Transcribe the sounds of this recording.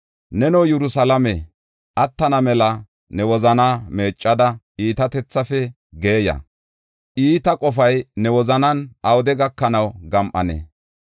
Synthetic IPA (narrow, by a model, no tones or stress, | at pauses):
nɛnɔwjɛɾʊsɐlɐme | ʔɐt̪ːɐnɐmɛlɐ | nɛwɔzɐnaːmeːt͡ʃʼːɐd̪ɐʔiːt̪ɐt̪ɛt͡sːɐfɛ | ɡe̞ːjɐ̰ | ʔiːt̪ɐkʼɔfɐjnɛwɔzɐnɐnʔɐwd̪ɛɡɐkːɐnɐwɡɐmʔɐ̰nɛ̰